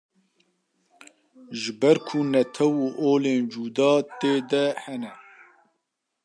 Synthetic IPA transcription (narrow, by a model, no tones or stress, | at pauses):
ʒɨbɛɾkʰunɛt̪ʰɛwuʔoːleːnd͡ʒuːd̪ɑːt̪eːd̪ɛhɛnɛ